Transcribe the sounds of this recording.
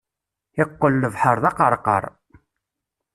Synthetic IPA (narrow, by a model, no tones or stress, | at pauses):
ɪqːəlːəvħəɾˤðɑqəɾˤqə̰ɾˤ